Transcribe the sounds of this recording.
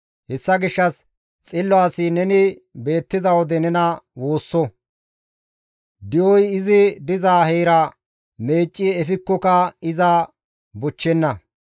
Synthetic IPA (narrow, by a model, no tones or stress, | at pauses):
hɛsːɐɡɪʃːɐs | t͡sʼɪlːɔaːsinɛnɪbe̞ːt̪ːɪzɐwɔd̪ɛnɛnɐwo̞ːsːɔ | d̪ɪjɔjɪzɪd̪ɪzaːhɛjɾɐ | me̞ːt͡ʃʼːiɛfɪkːɔkɐɪzɐ | bʊt͡ʃːɛnːɐ